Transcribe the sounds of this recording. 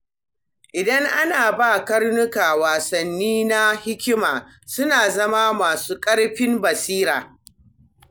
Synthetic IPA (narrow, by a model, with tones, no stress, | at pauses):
ʔɪ˨dɐ˦ŋʔa˦naː˨baː˦˨kɐ˦rnʊ˦kaː˨waː˨sɐ˨nːiː˦na˦hɪ˦kʲɪ˦maː˨ | sʊ˦naː˨zɐ˦maː˦maː˨suː˦kʼɐ˦ɽɸɪ˦mbɐ˨siː˦ɾaː˨